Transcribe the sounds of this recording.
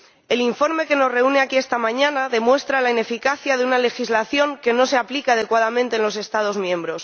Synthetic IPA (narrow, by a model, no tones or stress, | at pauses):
e̞liɱfo̞ɾme̞ke̞no̞zre̞une̞akie̞st̪amãɲanaðe̞mwe̞st̪ɾalaine̞fikaθjaðeunale̞xizlaθjo̞ŋke̞no̞se̞aplikaað̞e̞kwað̞amẽnt̪enlo̞se̞st̪að̞o̞zmjẽ̞mbɾo̞s